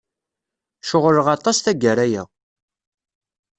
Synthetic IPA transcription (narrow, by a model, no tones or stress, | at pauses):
ʃoʁɾəʁɑt̪ˤɑsθæɡəɾæjæ̰